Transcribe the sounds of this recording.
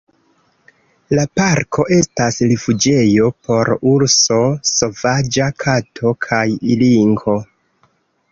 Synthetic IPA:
lapaɾkʰo̞ʔe̞stasɾifud͡ʒe̞jo̞pʰo̞ɾuɾso̞so̞vad͡ʒakʰatʰo̞kʰajiliŋɡo̞

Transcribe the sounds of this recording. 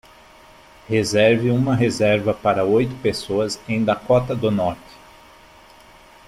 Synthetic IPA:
hezɛɾvɪũmɐɦezɛɾvɐpaɾɐojt̪ʊ̥pesoɐzẽj̃d̪akɔt̪ɐd̪ʊnɔɾt͡ʃɪ̥

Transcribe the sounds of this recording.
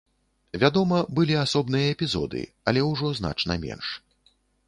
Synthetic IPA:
vʲad̪ɔmɐbɨlʲiasɔbnɨjɐɛpʲizɔ̰d̪ɨ̰ | ɐlʲɛwʐɔzn̪a̰t͡ʂnɐ̰mʲɛ̰nʂ

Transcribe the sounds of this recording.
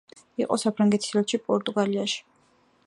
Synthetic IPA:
ḭqʼɔsapʰɾaŋɡɛt̪ʰi̥slɛt̪ʃipʼɔɾt̪ʼuɡaliaʃi̥

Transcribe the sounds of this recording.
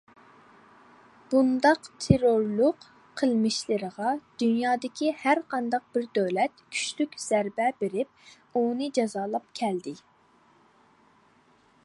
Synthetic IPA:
b̥und̪ɑqt̪ʰeɾoɾlˠʊq | qʰəlˠmɪʃlɪɾəʁɑd̪̥ynjɑːd̪ɪkʲʰihæɾqʰɑnd̪ɑq̚b̥ɪɾd̪øwlɛt̪kʲʰy̥ʃlykʲz̥æɾbɛbeɾɪp̚ | unɨd͡ʒɑzɑːlˠɑpkʲʰɛld̪ɪ

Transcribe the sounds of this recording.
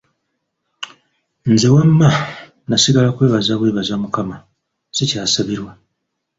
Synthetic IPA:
nze̞wamːa | nasiɡalakwe̞ːβazaβwe̞ːβazamukama | z̥ecaːsaβiɾwa

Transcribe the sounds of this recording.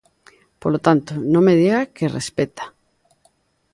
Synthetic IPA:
polot̪ant̪onõŋmeðiɣakerḛspet̪ḁ

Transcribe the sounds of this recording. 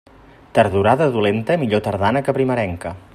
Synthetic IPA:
t̪əɾðuɾaðəðulent̪əmiʎot̪əɾð̞anəkəpɾiməɾɛŋkə

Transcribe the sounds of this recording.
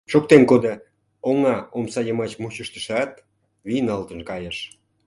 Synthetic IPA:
ʃok̚t̪emkod̪ə | oŋɑomsɑjəmɑt͡ɕmut͡ɕəʃt̪ə̥ʃɑt̪̚ | βijnɑlt̪ə̆nkɑjəʃ

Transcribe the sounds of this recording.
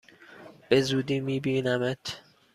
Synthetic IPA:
b̥e̞zuːd̪iːmiːbiːnæmet̪ʰ

